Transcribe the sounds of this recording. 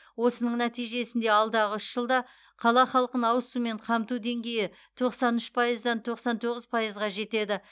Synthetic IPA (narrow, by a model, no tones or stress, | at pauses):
wo̞sənəɴnæt̪ijʒe̞sɪnd̪e̞ɑlˠd̪ɑʁəʏʃʒ̥əlˠd̪ɑ | qʰɑlˠɑχɑlˠqənɑwəsume̞ɴqʰɑmt̪ud̪e̞ŋɡʲe̞jɪ | t̪ʰo̞qsɑnʏʃpʰɑjəzd̪ɑnt̪ʰo̞qsɑnt̪ʰo̞ʁəzpʰɑjəzʁɑʒe̞t̪e̞d̪ɪ